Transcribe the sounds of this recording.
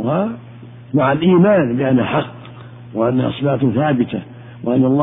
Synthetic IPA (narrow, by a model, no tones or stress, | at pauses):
ha | maʕalʔiːmaːnbɪʔanːaħɑqː | wɪʔanːaʔɑ̰sˤbaːt̪θaːbɪt̪a̰ | wɪʔanːɑlˤː